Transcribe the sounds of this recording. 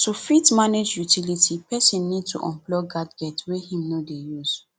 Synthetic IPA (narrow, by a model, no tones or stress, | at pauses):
tufitmaned͡ʒjutʰilitʰipɛsĩnːid̚tṵʔɔ̃mplɔɡadɡɛtwehĩmnodejuz̥